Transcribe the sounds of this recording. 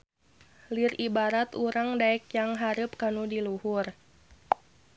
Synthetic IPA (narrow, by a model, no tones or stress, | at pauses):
liribaɾat̪uɾaŋdaɛkjaŋɦaɾup̚kanudiluhʊr